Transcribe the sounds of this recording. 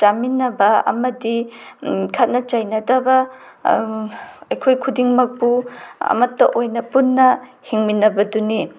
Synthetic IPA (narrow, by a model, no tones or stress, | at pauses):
d͡ʒaminːɐbɐɐ̰mɐdi | kʰɐt̚nɐt͡ʃajnɐdɐbɐ | ɐjkʰojkʰudiŋmɐk̚puɐ̰mɐtːɐʔojnɐpunːɐhiŋminːɐbɐduni